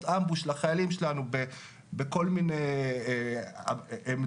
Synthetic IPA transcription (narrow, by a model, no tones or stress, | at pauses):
t̪ambuʃlaχajalimʃelanube | beko̞lminej | em